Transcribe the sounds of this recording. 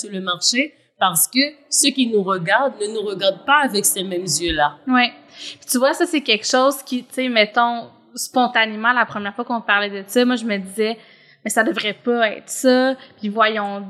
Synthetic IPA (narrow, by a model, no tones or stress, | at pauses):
syʁləmaʁʃe | paʁsə̥kəsøkʲinuʁəɡaʁd̪nənuʁəɡaʁd̪̚paːvɛksemɛmzjølawɛ | pi̥t̪yvwasʌsɛkʲɛkʃoʊzkʲit̪t͡semɛt̪ɔ̃ | spɔ̃t̪anemɑ̃lapχəmjɛːʁfwakɔ̃paʁlɛd̪ətsɔmwaʒəməd̪izɛ | mɛsad̪əvʁɛpʌɛɪt̪χsʌpivwajɑ̃